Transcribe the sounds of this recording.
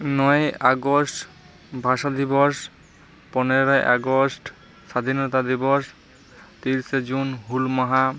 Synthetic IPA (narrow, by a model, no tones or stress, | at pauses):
nɔeaɡosʈ | bʱaʃad̪ibɔʃ | pɔneɾaeʔa̰ɡosʈ | ʃad̪ʱinɔt̪ad̪ibɔʃ | t̪iɾsed͡ʑunɦulmaɦa